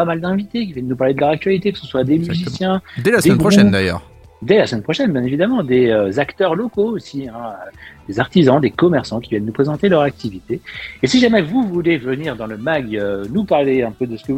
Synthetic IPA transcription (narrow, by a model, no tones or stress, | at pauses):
pamald̪ɛ̃vit̪ek̬ʲivjɛnːupaʁled̪əlœʁak̚t̪ɥalit̪ekə̥səswad̪emyzisjɛ̃d̪ɛlasd̪eɛɡʁɔʃuɛd̪ajœ̰ːʁ | d̪ɛlasmɛnpχɔʃɛnbjɛ̃nevid̪amɑ̃d̪eøzakt̪œʁlɔkoosiɛ̃ød̪̥ezaʁt̪izɑ̃d̪ekɔmɛʁsɑ̃kʲivjɛnːupχezɑ̃t̪elœʁak̚t̪ivit̪eːsiʒamɛvuvulevəniʁd̪ɑ̃ləmaɡønupaʁleɛ̃pød̪əsə̥kə